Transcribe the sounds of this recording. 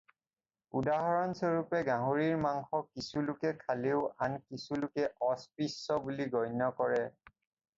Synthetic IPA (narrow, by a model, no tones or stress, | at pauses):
udaɦɔɹɔnsɔɹupɛɡãɦoɹiɹmaŋxɔkisulʊkɛkʰaleʊankisulʊkɛʔɔspisːɔbuliɡɔjnɔkɔɹɛ